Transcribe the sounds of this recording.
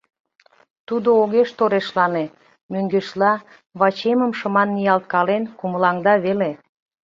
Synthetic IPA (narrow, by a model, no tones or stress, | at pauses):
t̪ud̪ooɣeʃt̪oɾeʃlɑne | møŋɡeʃlɑ | βɑt͡ɕeməmʃəmɑnːijɑlt̪̚kɑlenkuməlɑŋd̪ɑβele